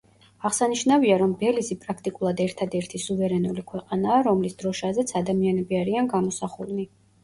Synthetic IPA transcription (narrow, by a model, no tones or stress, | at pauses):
aʁsaniʃnaviaɾɔmbɛlisipʼɾakʰt̪ʼikʼulˠad̪ɛɾt̪ʰad̪ɛɾt̪ʰisuvɛɾɛnulikʰwɛqʼanaːɾɔmlisd̪̥ɾɔʃazɛt̪sʰad̪amianɛbiaɾianɡamɔsaχulni